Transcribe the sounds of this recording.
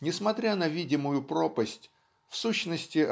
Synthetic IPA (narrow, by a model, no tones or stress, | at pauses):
nʲɪsmɐt̪ɾʲanəvʲidʲɪmʊjʊpɾopəsʲtʲ | fsuɕnəsʲtʲɪ